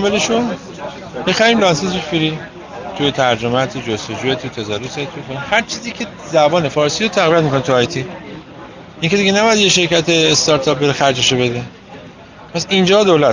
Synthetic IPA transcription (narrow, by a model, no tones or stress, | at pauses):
meleʃo | bexæɾimlɒnseseʃfiɾi | t̪ʰujet̪ʰæɾd͡ʒomæt̪ʰud͡ʒost̪od͡ʒuːet̪ʰujt̪ʰæzæɾoset̪ʰujekʰonimhæɾt͡ʃʰiːziːcʲʰe̞ | zæbɒːne̞fɒːɾsiːɾot̪ʰæɣviæt̪miko̞nit̪ʰuɒjt̪ʰi | ʔiŋcʰe̞d̪iɟenæbɒjæd̪jeʃe̞ɾcæt̪ʰeːst̪ɒɾt̪ʰɒp̚be̞ɾexæɾd͡ʒeʃobe̞d̪e | pʰæsind͡ʒɒːd̪olæt̪